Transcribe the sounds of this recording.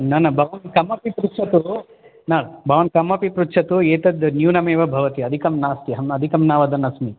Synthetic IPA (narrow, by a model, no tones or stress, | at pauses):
nɐnɐbʱɐʋɐnkɐmɐpipɾutt͡ʃʰɐt̪u | naːbʱɐʋɐnkɐmɐpipɾutt͡ʃʰɐt̪ueːt̪ɐd̪njuːnɐmeːʋɐbʱɐʋɐt̪iɐd̪ʱikɐmnaːst̪jɐɦɐmɐd̪ʱikɐmnaːʋɐd̪ɐnɐsmi